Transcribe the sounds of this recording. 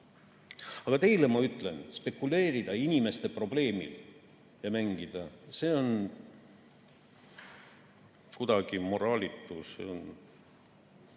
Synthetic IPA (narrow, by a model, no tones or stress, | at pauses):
ɑɡ̥ɑt̪e̞jlemɑyt̪ːˑle̞nspe̞kːule̞ːɾid̪̥ɑinʲime̞st̪e̞pro̞b̥le̞ːmḭl | jɑmæŋɡ̥id̪̥ɑse̞ːo̞n | kud̪ɑɡ̥imo̞ɾɑːlʲit̪ːˑusḛon